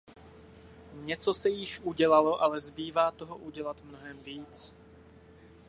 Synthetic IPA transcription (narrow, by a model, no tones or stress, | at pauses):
ɲɛt͡sosɛjɪʃʔuɟɛlaloʔalɛzbiːvaːt̪oɦoʔuɟɛlat̪mnoɦɛmviːt͡s